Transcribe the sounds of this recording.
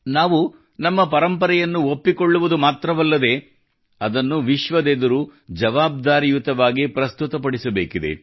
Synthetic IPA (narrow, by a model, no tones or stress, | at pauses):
naːʋu | nɐmːɐpɐɾɐmpɐɾɛjɐnːuopːiko̞ɭːuʋud̪umaːt̪ɾɐʋɐlːɐd̪e̞ː | ɐd̪ɐnːuʋiʃʋɐd̪eːd̪ɐɾud͡ʒɐʋaːb̚d̪aːɾijut̪ɐʋaːɡipɾɐst̪ut̪ɐpɐɽisɐbeːkid̪e̞̰